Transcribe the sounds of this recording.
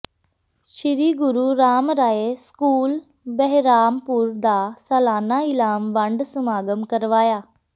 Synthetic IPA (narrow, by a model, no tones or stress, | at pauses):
ʃiɾiːɡʊɾuɾaːmɾaːeskuːl | bəɦɾaːmpuɾd̪aːsɐlaːnaɪlaːmʋãɳɖsəmaːɡəmkəɾʋaːjaː